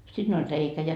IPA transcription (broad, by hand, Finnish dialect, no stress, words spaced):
siːn olʲ reikæ jɑ